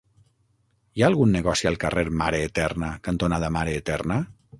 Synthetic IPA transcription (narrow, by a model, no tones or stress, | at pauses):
jaːlˠɣunːeɣɔsialˠkareɾmaɾeːt̪ɛrnakant̪onaðamaɾeːt̪ɛɾna